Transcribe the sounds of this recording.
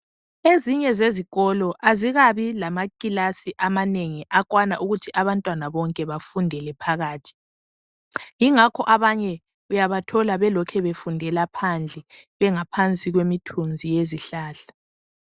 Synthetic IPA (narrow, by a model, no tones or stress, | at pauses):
eziɲɛzeziɣɔlɔʔaziɣaβilamakʼilasiʔamaneŋiʔakʼwanaʔuɣutʰiʔaβantʼwanaβɔŋkʼɛβafundʱɛlɛpʰaɣaːtʰi̥ | jiŋakʰɔʔaβaɲɛ | ujaβatʰɔlaβɛlɔkʰɛβefundʱɛlapʰand͡ɮʱɛ | βɛŋapʰant͡sʼiɣwemitʰund͡zʱijeziɬaːɬḁ